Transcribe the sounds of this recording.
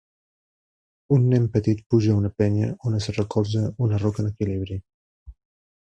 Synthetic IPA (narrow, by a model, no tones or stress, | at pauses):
unːɛmpət̪it̪̚puʒaunəpɛɲəonəsrəkɔlˠzəunərɔkənəkiliβɾi